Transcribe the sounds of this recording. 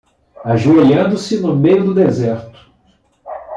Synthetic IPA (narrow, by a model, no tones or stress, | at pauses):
aʒuejɐ̃nd̪ʊsɪnʊmejʊd̪ʊd̪ezɛɾt̪ʊ̥